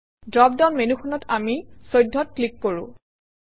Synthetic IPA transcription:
dɹɔp̚daʊnmenuxʰɔnɔtamisojdʱːɔt̚klikːoɹṵ̃

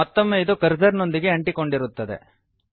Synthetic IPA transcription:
ɐt̪ːomːeid̪ukɐɾd͡ʒɐɾno̞nd̪iɡeɐɳʈiko̞ɳɖiɾut̪ːɐd̪ḛ

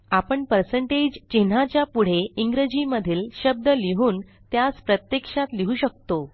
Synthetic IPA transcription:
apəɳpəɾsəɳʈed͡ʑt͡ɕin̤at͡ɕjapuɽ̤eiŋɡɾəd͡ʑiməd̪ʱiːlɕəb̚d̪əliɦuːn | t̪jaspɾət̪jekʂat̪liɦuːɕək̚t̪o

